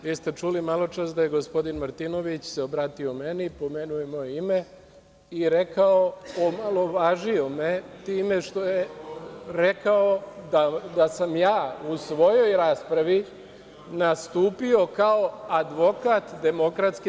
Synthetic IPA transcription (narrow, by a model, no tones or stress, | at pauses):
ʋiːst̪e̞t͡ʃulimalo̞t͡ʃasd̪aje̞ɡo̞spo̞d̪inmaɾt̪ino̞ʋit͡ɕseobɾaːt̪io̞me̞nipo̞menuje̞mo̞jeime̞ | iɾe̞kao̞omalˠo̞ʋaːʒio̞met̪iːme̞ʂt̪o̞je | ɾekao̞d̪ad̪asamjaːusʋo̞jo̞jɾaːspɾaʋi | nast̪uːpio̞kao̞ad̪ʋo̞kaːt̪d̪e̞mo̞kɾat̪ski